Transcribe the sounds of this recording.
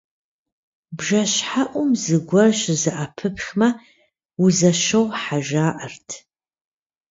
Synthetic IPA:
bʒɐɕħaʔʷʊmzɨɡʷɔʃzɨʔapʰɨpxmɐ | wuzɐʃɐwħaʒaːʔɐrtʰ

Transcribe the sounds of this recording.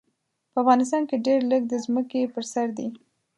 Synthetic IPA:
pəafɣɑnɪs̬t̪ɑnkeɖeɾləɡ̚d̪əzməkepəɾsaɾd̪i

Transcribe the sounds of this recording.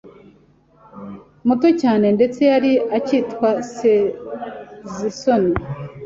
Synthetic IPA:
muto̞caːne̞nde̞t͡se̞jaɾiacitkwas | zisoni

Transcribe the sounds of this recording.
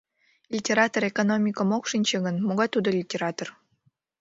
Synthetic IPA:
lʲitʲeɾɑt̪oɾekonomʲikəmokʃinʲt͡ɕeɡənmoɣɑt̪ud̪olʲitʲeɾɑt̪or

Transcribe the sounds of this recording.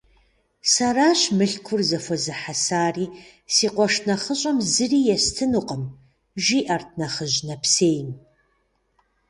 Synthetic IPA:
saraːɕmɨɬkʷʰʊrzɐfʷɔzɨħasaːriː | siːqʷɔʂnɐχəɕʼɐmzɨriːjɛstʰɨnuqʼəm | ʒiːʔɐrtʰnɐχəʑnɐpseːjn

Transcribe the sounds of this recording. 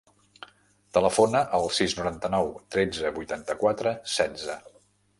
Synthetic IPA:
t̪ələfonəʔəlˠsiznuɾant̪ənɔwt̪ɾed͡zəbujt̪ant̪əkwat̪ɾəsɛd͡zə

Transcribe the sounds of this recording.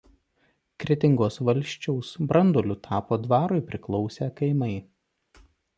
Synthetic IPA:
kɾʲɪt̪ʲɪŋɡoːsʋɐlʲˑʃʲt͡ʃʲɛʊsbɾʔɐnd̪oːlʲʊt̪ʰɑːpoːd̪ʋɑːɾʊɪpʲɾʲɪklˠɒʊsʲeːkɐɪmɐɪ

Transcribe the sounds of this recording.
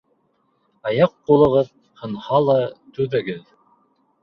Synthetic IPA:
ɑjɑqːulˠɤ̆ʁɤð | hɤ̆nhɑlˠɑt̪ʉðɘ̆ɡɘð

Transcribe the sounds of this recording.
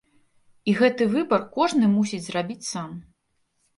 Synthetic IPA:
iɣɛt̪ɨvɨbɐrkɔʐnɨmusʲid͡zʲzrabʲit͡sʲsam

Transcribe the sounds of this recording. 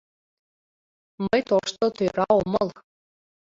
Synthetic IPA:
mɤjt̪oʃt̪ot̪øɾɑomɤl

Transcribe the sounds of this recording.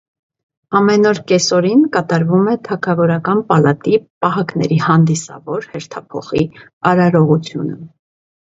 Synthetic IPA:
ɑmɛnɔɾkɛsɔɾinkɑt̪ɑɾvumɛt̪ʰɑkʰɑvɔɾɑkɑnpɑlɑt̪ipɑɦɑknɛ̰ɾihɑnd̪isɑ̰vɔɾhɛɾt̪ʰɑpʰɔ̰χi | ɑɾɑɾɔʁut͡sʰjunə̰

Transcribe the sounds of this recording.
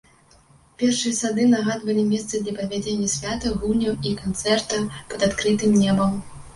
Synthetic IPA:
pʲɛrʂɨjɐsad̪ɨnaɣad̪vɐlʲimʲɛst̪sɨd̪lʲɐpɐvʲad͡zʲenʲːɐsʲvʲat̪ɐɣulʲnʲɐwikant̪sɛrt̪ɐpɐd̪at̪kɾɨt̪ɨmnʲɛbɐm

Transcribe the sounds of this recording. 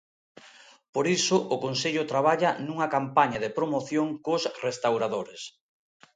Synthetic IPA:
poɾisʊʔʊkonseʎʊt̪ɾaβ̞aʎɐnuŋɐkampaɲɐðepɾomoθjoŋkosrest̪awɾaðoɾes

